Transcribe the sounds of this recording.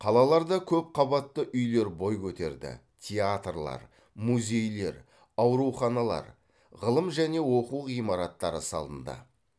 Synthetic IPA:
qʰɑlˠɑlˠɑɾd̪ɑkʲʰɵp̚qʰɑβɑt̪ːəʔʏjle̞ɾbo̞jkʲʰɵt̪e̞̰ɾd̪ɪ̰t̪ʲʰeat̪rlˠɑ̰ɾ | muzʲe̞jle̞ɾ | ɑwɾuχɑnɑlˠɑ̰ɾ | ʁəlˠəmʒæne̞wo̞quijmɑɾɑt̪ːɑɾəsɑ̰lˠə̰nd̪ə̰

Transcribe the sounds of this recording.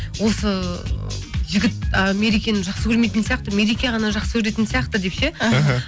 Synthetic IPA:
wo̞sə | ʒɪɡʲɪt̪̚əmeɾikʲenɪʒɑχsəkʰʲɵɾmet̪ɪnsijɑq̚t̪əme̞ɾikʲijaʁɑnɑʒɑqsəkʲʰɵɾe̞t̪ɪnsijɑqt̪əd̪e̞pʃe

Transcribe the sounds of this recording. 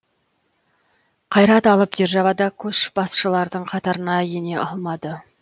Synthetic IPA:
qʰɑjɾɑt̪ɑlˠəp̚d̪eɾʒɑvɑd̪ɑkʲʰɵʃb̥ɑsʃəlˠɑɾd̪əɴqʰɑt̪ɑɾənɑjene̞ʔɑlˠmɑd̪ə

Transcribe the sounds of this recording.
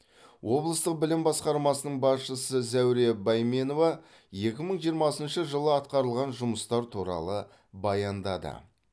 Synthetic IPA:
wo̞blˠəst̪əq̚bɪlɪmbɑsqɑɾmɑsənəɴbɑsʃəsəzæwɾe̞bɑjme̞no̞vɑ | je̞kʲɪməɴʒijəɾmɑsənʃəʒəlˠəɑt̪̚qɑɾəlˠʁɑnʒʊməst̪ɑɾt̪ʰuɾɑ̰lˠə | bɑjɑnd̪ɑd̪ə̰

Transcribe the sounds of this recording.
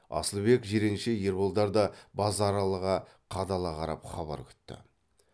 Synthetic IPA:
ɑ̰səlˠbe̞kʒeɾe̞ŋʃeje̞ɾbolˠd̪ɑɾd̪ɑbɑzɑɾɑlˠəʁɑ | qʰɑd̪ɑlˠɑqʰɑɾɑ̰pχɑβɑ̰ɾkʲʰʏ̥t̪ːɪ̰

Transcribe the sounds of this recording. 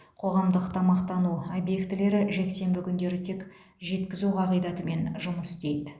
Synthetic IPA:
qʰo̞ʁɑmd̪əqt̪ʰɑmɑqt̪ɑnuobje̞kt̪ɪle̞ɾɪʒe̞kse̞mbɪkʲʰʏnd̪e̞ɾɪt̪ʰek | ʒe̞t̪kʲɪzuqʰɑʁəjd̪ɑt̪əme̞nʒʊməst̪e̞jd̪ɪ

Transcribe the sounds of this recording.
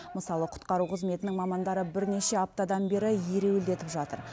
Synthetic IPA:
məsɑlˠəqʰʊ̥t̪qɑɾuqʰəzme̞t̪ɪnɪŋmɑmɑnd̪ɑɾəbɪɾne̞ʃe̞ɑp̚t̪ɑd̪ɑnbe̞ɾɪjeɾe̞weld̪e̞t̪ɪpʒɑt̪əɾ

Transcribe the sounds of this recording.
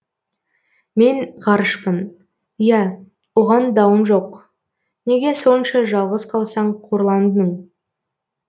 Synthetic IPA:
me̞nʁɑɾəʃpən | ijæ | woʁɑnd̪ɑwənʒo̞q | ne̞ɡʲe̞so̞nʃɑʒɑlˠʁəzqʰɑlˠsɑɴqʰoɾlˠɑnd̪ənəɴ

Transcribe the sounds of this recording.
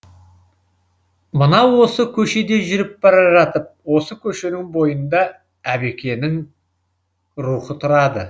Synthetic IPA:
mənɑwo̞səkʲʰɵʃe̞d̪e̞ʒʏɾɪp̚bɑɾɑʒɑt̪əp̚wo̞səkʲʰɵʃe̞nɪŋbo̞jənd̪ɑ | æbe̞kʲe̞nɪŋ | ɾuχət̪ʰʊɾɑd̪ə

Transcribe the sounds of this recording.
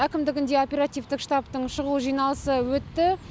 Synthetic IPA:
ækʲɪmd̪ɪɡʲɪnd̪e̞o̞pʲe̞ɾat̪ijvt̪ɪkʂt̪ɑpt̪əɴʃəʁuʒijnɑlˠəsəwɵt̪ːɪ

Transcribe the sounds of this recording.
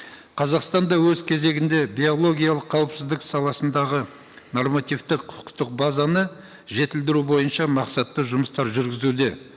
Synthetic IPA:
qʰɑzɑqst̪ɑnd̪ɑwɵzkʲʰe̞ze̞ɡʲɪnd̪e̞bʲio̞lˠo̞ɡʲijalˠəqʰːɑwəpsɪzd̪ɪksɑlˠɑsənd̪ɑʁə | no̞rmat̪ijft̪ɪqʰʊ̥qt̪əq̚bazɑnə | ʒe̞t̪ɪld̪ɪɾubo̞jənʃɑmɑqsɑt̪ːəʒʊməst̪ɑɾʒʏɾɡʲɪzud̪e̞

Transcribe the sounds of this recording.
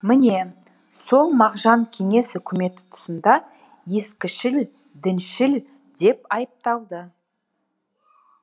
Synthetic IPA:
mɪne̞ | so̞lˠmɑʁʒɑŋkʲʰe̞ŋe̞sʏkʲʰɪme̞t̪ɪ̥t̪ʰʊ̥sənd̪ɑ | je̞skʲɪʃɪl | d̪ɪnʃɪl | d̪e̞pɑjəp̚t̪ɑlˠd̪ə

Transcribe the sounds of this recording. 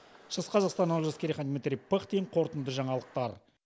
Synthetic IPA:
ʃəsqʰɑzɑqst̪ɑnːɑlˠʒɑskʲeɾiχɑnd̪mit̪rʲijpəχt̪ejɴqʰo̞ɾt̪ənd̪əʒɑɴɑlˠəq̚t̪ɑɾ

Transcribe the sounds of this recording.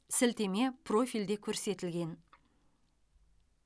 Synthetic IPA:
sɪlt̪e̞me̞pʰro̞fʲijld̪e̞kʲʰɵɾse̞t̪ɪlɡʲe̞n

